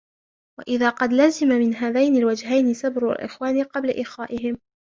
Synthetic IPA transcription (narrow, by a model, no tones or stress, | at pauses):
wa̰ʔɪðaːqɑd̪lazɪmamɪnɦaːðajnalwad͡ʒɦajnɪsabɾa̰lʔɪ̰xwaːnɪqɑblaʔɪxaːʔɪɦɪm